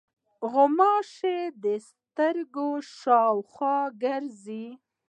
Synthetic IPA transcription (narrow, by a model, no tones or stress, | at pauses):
ɣʊmɑʃed̪əs | t̪əɾɡoʃɑwxwɑɡəɾzi